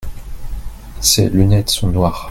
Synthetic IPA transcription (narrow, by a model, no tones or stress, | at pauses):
sḛlynɛt̪sɔ̃nwaːʁ